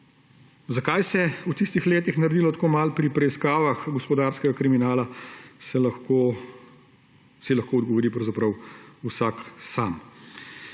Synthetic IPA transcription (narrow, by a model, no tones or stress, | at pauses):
zakajsɛut̪ist̪ixleːt̪ixnɐɾɛd̪ilɔt̪ḁkoːmalpɾipɾɛiskaːʋaxɡɔspɔd̪aːɾskɛɡakɾiminaːlasɛlaxko | silaxkoːɔd̪ɡɔʋɔɾiːpɾɐwzapɾɐwusaːksaːm